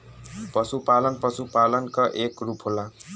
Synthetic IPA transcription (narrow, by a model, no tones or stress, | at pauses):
pʌsupalʌnpʌsupalʌnkʌʔekrupʰɦola